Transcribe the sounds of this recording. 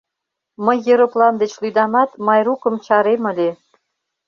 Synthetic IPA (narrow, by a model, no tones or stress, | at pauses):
məjːeɾoplɑmd̪et͡ɕlyd̪ɑmɑt̪mɑjɾukə̆mt͡ɕɑɾemə̆le